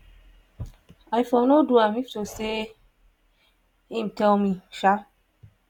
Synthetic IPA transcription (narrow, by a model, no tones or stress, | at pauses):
ajfɔnoduamiftose | hĩmtɛlmiʃa